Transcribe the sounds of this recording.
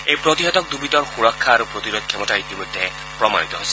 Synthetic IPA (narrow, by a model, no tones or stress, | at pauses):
ejpɾɔt̪iɦɔt̪ɔk̚d̪ubit̪ɔɹxuɾɔkʰːaːɾupɾɔt̪iɾɔd̪̚kʰɛmɔtait̪imɔt̪ɛ̃ɛ̃ | pɹɔma̰jit̪ɔɦojsi